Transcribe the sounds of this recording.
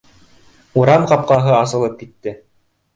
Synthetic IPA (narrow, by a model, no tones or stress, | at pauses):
uɾɑmqɑp̚qɑɦɤɑs̬ɤ̆lˠɤp̚kit̪ːɘ